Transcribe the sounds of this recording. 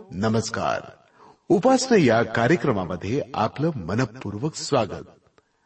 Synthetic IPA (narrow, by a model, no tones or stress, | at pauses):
nɐməska̰ːɾ | upaːsnɐjakaːɾjəkɾɐmamɐd̪ʱːjea̰ːplɐmɐnɐpːuɾʋɐksʋaːɡə̰t̪̚